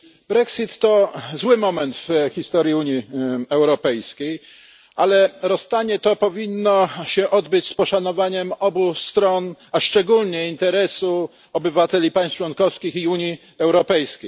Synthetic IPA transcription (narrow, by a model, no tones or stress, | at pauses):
bɾɛksit̪ːɔzwɘmɔmɛnt̪fxʲist̪ɔɾjiuɲiɛwɾɔpɛjskʲej | ʔalɛɾɔst̪aɲɛt̪ɔpɔvʲinːɔɕɛʔɔd̪bɘt͡ɕspɔʂanɔvaɲɛmɔbust̪ɾɔnaʂt͡ʂɛɡulɲɛint̪ɛɾɛsu | ɔbɘvat̪ɛlʲipaj̃st͡ʂwɔnkɔfskʲixiuɲi | ɛwɾɔpɛjskʲej